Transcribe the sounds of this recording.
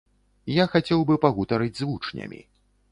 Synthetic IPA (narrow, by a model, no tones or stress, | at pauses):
jaxat͡sʲɛwbɨpɐɣut̪ɐɾɨd͡zʲzvut͡ʂnʲɐ̰mʲḭ